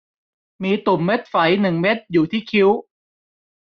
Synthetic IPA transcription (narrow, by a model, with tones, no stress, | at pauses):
miː˧t̪u˨˩mːe˦˥t̪̚fa˩˦jnɯ˨˩ŋme˦˥t̪̚juː˨˩t̪ʰiː˥˩kʰi˦˥w